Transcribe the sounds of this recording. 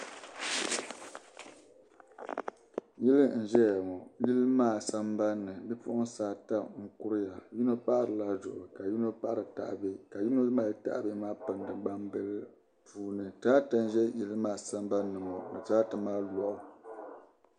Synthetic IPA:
ji˦lɨ˦n̩˨ʒɛ˦ja˨mɔ˨ji˦lɨ˦maː˦˨sa˦mba˦nːɨ˨bɨ˦pṵ˦ʔʊ˦n˦saː˦ta˦ŋ̩˦kʊ˦ɾɨ˦ja˨ji˦no˦pa˦ʔɾɨ˨la˨zʊ˨ʔʊ˨ka˨ji˦no˦pa˦ʔɾɨ˨ta̰˨ʔbe˦ka˨ji˦no˦maː˦lta̰˦ʔbɨ˦maː˦pɨ˨n˨dɨ˨ɡ͡ba˦mbɨ˦lɨ˦ | puː˨nɨ˨taː˦ta˦n˦ʒɛ˦ji˦lɨ˦maː˦sa˦m˦ba˦nːɨ˨mɔ˨nɨ˨taː˦tɨ˨maː˦lɔ˨ʔʊ˨

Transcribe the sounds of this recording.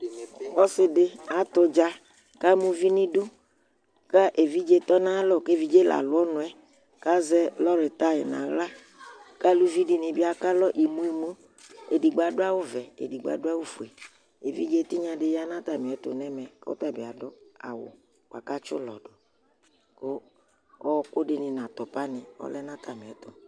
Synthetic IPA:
wɔ˦sɪ˨de˦a˨t̪ʊ˦d͡ʒa˦ | ka˦mũ˦vi˦nĩ˦ɖu˦ | ka˦ʔe˨vi˦d͡ʒe˦t̪ɔ˦nã˦lɔ˦˨ke˦˨vi˦d͡ʒe˦la̰˨lʊ˦ɔ˦nʊ̃˨ɛ˦ | ka˦zɛ˦lɔ˦ɾe˨t̪a˦ḛ˨nã̰˨ɣla˦ | ka˦lu˦vi˦di˨nĩ˨bi˦a˨ka˦lɔ˦ʔi˨mũ˦i˨mũ˦ | e˨di˨ɡ͡ba˨dʊ˦a˦wʊ˦vɛ˨ḛ˨di˨ɡ͡ba̰˨dʊ˦a˦wo˦fu˨e˨ | e˨vḭ˦d͡ʒe˦t̪i˦ɲã˨dɪ˦ja˦nã˦t̪a˨mɪ̃˨ɛ˨t̪ʊ˨nɛ˦mɛ˨ko̰˦tɔ˦e˨bi˨a˨dɔ˦a̰˨wʊ̰˨ | k͡pa̰˨ka˦t͡ʃʊ˦lɔ˨dʊ˨ | ko˦ | ɔ˦˨kʊ˦dɪ˨nɪ̃˨nã˨t̪ɔ˨pa˦nɪ̃˨ɔ̰˦lɛ˦nã˦t̪ʰa˨mɪ̃˨ɛ˨˦t̪ʊ˨

